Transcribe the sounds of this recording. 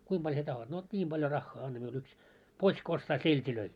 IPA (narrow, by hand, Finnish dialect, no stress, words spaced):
kuim b̥ɑlʲ sie tɑhot no nʲiːm b̥ɑljo rɑxːɑː ɑnːɑ miul yks pots̆k ostɑː seltʲiløi